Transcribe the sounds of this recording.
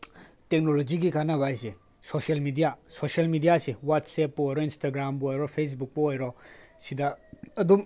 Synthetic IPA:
tek̚nolod͡ʒiɡikanabajse | sosialmidijasosalmidijasewatsepːɔojɾɔinstaɡɾambɔojɾɔpʰes̬buk̚pɔojɾɔsidaɐdum

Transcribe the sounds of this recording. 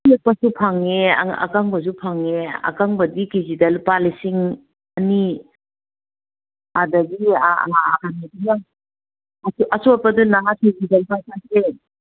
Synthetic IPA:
kiet̚pɐsupʰaŋea̰a̰kaŋbɐs̬upʰaŋea̰kaŋbɐdikizidalpalisiŋ | ɐni | adɐɡia̰ːkʰanatina | asuʔɐsuɔt̚pɐdunaɦakizidalpajsakɾe

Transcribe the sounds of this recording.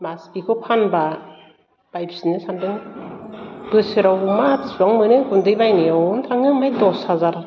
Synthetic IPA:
maspikʰɔpʰanba | b̥ajbsinɯsandɯŋ | b̥ɯsɯɾawumatisuaŋmɯnɯkundɯjbajneɔntʰaŋɯmajdɔsazaɾ

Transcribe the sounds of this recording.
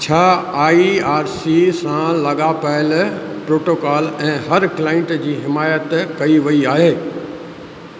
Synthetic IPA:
t͡ɕʰaːaːiaːɾsisãlɐɠapɐɪlpɾoːʈoːkaːlɛ̃ːɦɐɾklaːɪ̃ɳʈd͡ʑiːɦɪmaːjət̪kɐiʋɐiaːɦeː

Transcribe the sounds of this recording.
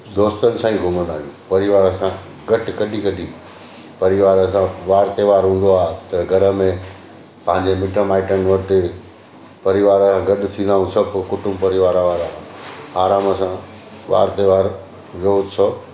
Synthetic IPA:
d̪oːst̪ənɪ̆sãːĩːɡʱʊmə̃nd̪aːʋĩũpɐɾɪʋaːɾəsã | ɡɐʈkɐɗikɐɗi | pɐɾɪʋaːɾəsãʋaːɾt̪eʋaːɾɦũːnd̪oaːt̪ɐɡʱɐɾəmẽ | pɐ̃ɦɪ̃ɲd͡ʑemɪʈəmaːɪʈənʋɐʈɪ | pɐɾɪʋaːɾəsãɡɐɗt̪ʰĩːnd̪aːɦũsɐbʱkʊʈʊmpɐɾɪʋaːɾaʋaːɾaːaːɾaːməsã | ʋa̰ːɾt̪eʋaːɾ | ʋjoʊsʰoː

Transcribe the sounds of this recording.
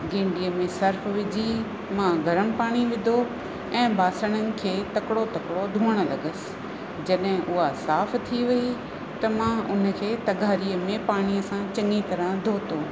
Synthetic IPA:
ɡɪ̃ːɳɖiəmẽsɐɾfʋɪd͡ʑi | mãɡʱɐɾəɽ̃ɪ̆paːɽ̃iʋɪd̪ʱo | ɛ̃ːbʱaːsəɽ̃ənɪ̆kʰeːt̪ɐkɪɽot̪ɐkɽod̪ʱuːəɽ̃ə̆lɐ̰ɠəsɪ̥̆ | d͡ʑɐɗɦɪ̃ʔʊɦasaːft̪ʰiʋɐi | t̪ɐmãʊn̤̆kʰeːt̪ɐɡʱaːɾiəmẽpaːɽ̃iəsãt͡ɕɐ̃ŋɡit̪ɐɾə̃d̪ʱoːt̪oː

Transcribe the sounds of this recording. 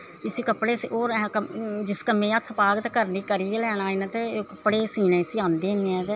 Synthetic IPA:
ɪsiːkəpːɽeːsoːɾkəd͡ʒɪskəmẽːət̪ʰːpaːɡət̪kəɾniːkəɾielɛːɽ̃aːɪnat̪eːkəpːɽeːsiːnẽːɪsiãːnd̪eːnːɛ̃ːt̪eː

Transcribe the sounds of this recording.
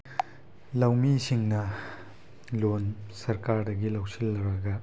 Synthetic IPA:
lɐwmisiŋnɐ | lonsɐɾkaɾdɐɡilɐwsilːɐwɾɐɡɐ

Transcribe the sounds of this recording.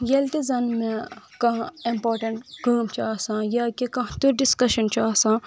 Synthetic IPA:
jɐlt̪izɐnmẽ | kɐĩmpoːɾʈɐ̃ɳʈkaːmt͡ʃaːsãːjakikɐɦt̪uɾɖɪskɐʃɐnt͡ʃaːsã

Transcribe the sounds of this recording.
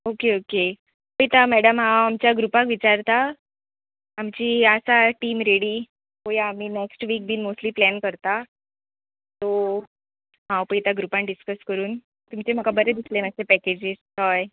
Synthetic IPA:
okeoke | pəit̪amɛɽəmɦãwamt͡ɕjaɡɾupãkʋit͡ɕaɾt̪a | mt͡ɕiːəsaʈiːmɾeɽiː | ɦojaam̤iːneksʈʋiːk̚bʱiːnmosʈliːplɛnkəɾt̪a | t̪o | ɦãwpəit̪aɡɾupãnɖiskəskəɾuːn | t̪umt͡ɕem̤əkabəɾed̪islenasepɛked͡ʑisɦɔj

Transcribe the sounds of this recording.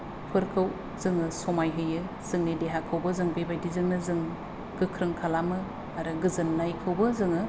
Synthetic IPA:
pʰɯɾkʰɯw | z̥ɯŋɯsomajɦɯjɯ | z̥ɯŋnideɦakʰɯwbɯzɯŋbejbajdizɯŋnɯzɯŋ | ɡ̥ɯkʰɾɯŋkʰalamɯ | aɾɯɡɯzɯnːajkʰɯwbɯzɯŋɯ

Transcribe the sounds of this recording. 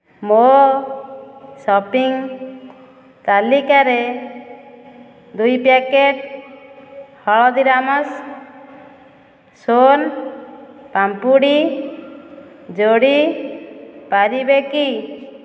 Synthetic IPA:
mo | sɔpiŋ | t̪alikaɾɛ | d̪ujpakeʈ̚ | hɔɭɔd̪iɾamas | son | pampuɽi | d͡ʒoɽi | paɾibeki

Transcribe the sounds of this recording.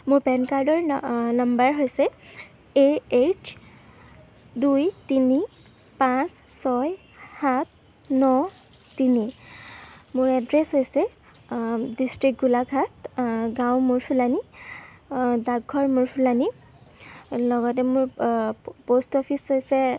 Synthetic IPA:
mʊɹpɛnkaɹdɔɹnambaɹɦojsɛ | eet͡ʃʰ | dujtini | pãs | sɔj | hat̚ʰ | nɔ | tini | mʊɹɛdɹeshojsɛ | distɹik̚ɡulaɡʱat̚ɡãwmʊɹpʰulani | daɡʱɔɹmʊɹpʰulani | lɔɡɔtɛmʊɹ | postɔpʰishojsɛ

